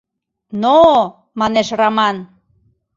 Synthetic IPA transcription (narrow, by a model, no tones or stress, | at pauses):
no | mɑneʃrɑmɑn